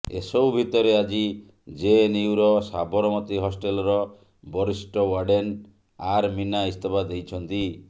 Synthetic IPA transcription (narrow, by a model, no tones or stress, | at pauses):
ḛsɔwbʱit̪ɔɾead͡ʒi | d͡ʒeniwɾɔsabɔɾɔmɔt̪iɦɔsʈelɔɾɔ | bɔɾisʈɔwaɖen | aɾminaist̪ebʰad̪ejt͡ʃʰɔnt̪i